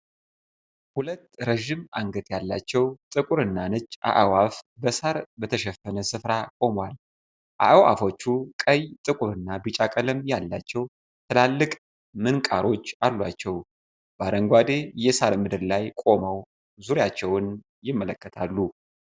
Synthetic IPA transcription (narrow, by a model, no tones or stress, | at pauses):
hulət̪ːɾəʒimaŋɡət̪jalːat͡ʃːɛwt̪ʼɨkʼuɾɨnːanɨt͡ʃʼːʔa̰ʔawafbəsaɾbət̪ʰəʃɛfənəsɨfɾakʼo̞mwal | ʔa̰ʔwa̰fo̞t͡ʃːukʼəjt̪ʼɨkʼuɾɨnːabɨt͡ʃʼakʼəlɨmjalːa̰t͡ʃːɛw | t̪ʰɨlalːɨkʼ | mɨnkʼaɾo̞t͡ʃːalːwat͡ʃːɛw | b̥aɾəŋɡʷad̪e̞jɛsaɾmɨd̪ɨɾlajkʼo̞məw | zuɾjat͡ʃːɛwn | jɪmːələkʰʼːət̪ʰalːu